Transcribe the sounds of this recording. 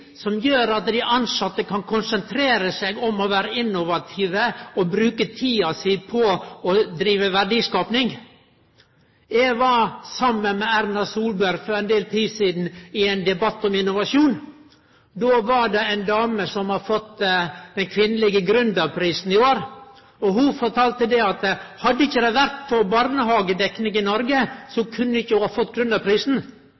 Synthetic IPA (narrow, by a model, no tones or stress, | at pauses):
sɔmjøːɾɑt̪d̪ɪʔɑnsɑt̪ːəkʰɑnkʰʊnsənt̪ʰɾeːɾəsɛɡɔmɔʋæːɾəɪnːʊʋɑt̪ʰɪːʋəɔbɾʉːkət̪ʰiːɑsɪpʰɔɔd̪ɾiːʋəʋæɖiːskɑːpnɪŋ | ɛʋɑsɑmːənmɛæɾnɑsuːlbæɾɡfɔɾɛnd̪eːlt̪ʰiːsiːd̪n̩ɪɛnd̪ɛbɑt̪ːɔmɪnʊʋɑʃjuːn | d̪oːʋɑɖɛɛɪnd̪ɑːməsɔmhɑfɔt̪ːd̪̥ɛnkʰʋɪnːəlɪɡəɡɾʉnd̪əɾpʰɾiːsn̩ɪoːɾ | ɔɦʊfɔʈɑːlt̪əd̪ɛɑt̪hɑd̪ːəɪçːəd̪ɛʋæɾt̪fɔbɑɾnəɦɑːɡəd̪ɛkːnɪŋɪnɔɾɡəsɔkʰʉnːɪçːəʉhɑːfɔt̪ːɡɾʉnd̪əpʰɾiːsn̩